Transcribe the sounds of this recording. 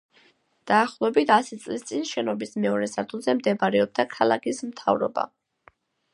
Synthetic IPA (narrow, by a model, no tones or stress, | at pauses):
d̪̥aːχlˠɔɛbit̪ʰasit̪sʼlist̪sʼinʃɛnɔbismɛɔɾɛsaɾt̪ʰulˠzɛmd̪ɛbaɾɛɔb̚d̪akʰalˠa̰kʰismt̪ʰa̰vɾɔ̰ba̰